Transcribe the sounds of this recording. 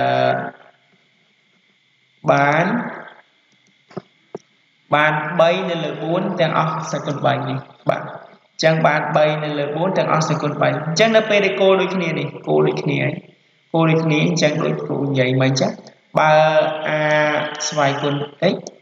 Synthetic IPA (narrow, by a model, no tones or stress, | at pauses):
əː | ɓaːn | ɓaːnɓəjnɨwləːɓuənt̪ɛ̆əŋʔɑhsakuənɓəɲnihɓa̰ː | ɲt͡ɕəŋɓaːnɓəjnɨwləːɓuənt̪ɛ̆əŋʔɑ̰hsakuənɓəjiɲt͡ɕəŋnɨwpeːlɗaɛlkoːlɗoːc̚kʰniənihkoːlɗoːc̚kʰniəʔaj | koːlɗoːc̚kʰniəɲt͡ɕəŋɗo̰ːc̚ko̰ːɲjɨjmɨɲt͡ɕa | ɓaəʔaːsʋaɛjkuənt̪ɨc̚